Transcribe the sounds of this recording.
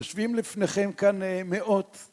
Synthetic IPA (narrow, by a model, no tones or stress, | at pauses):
oʃvimlifneχe̞mkanmeʔot